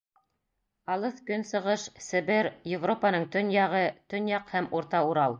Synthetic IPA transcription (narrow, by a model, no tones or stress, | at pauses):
ɑlˠɤθkɵnsɤ̆ʁɤʃsɘ̆βɘɾjɪvropanɤɴt̪ɵnjɑʁɤt̪ɵ̆njɑqhæmuɾt̪ɑuɾɑlˠ